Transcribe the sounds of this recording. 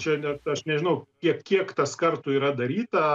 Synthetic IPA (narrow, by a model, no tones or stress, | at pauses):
t͡ʃʲɛnʲɛt̪ɐʃnʲɛʒʲɪnɐʊkʲiɛkkʲiɛkt̪ɐskɐrt̪ʊiːɾɐd̪ɐɾʲiːt̪ɐ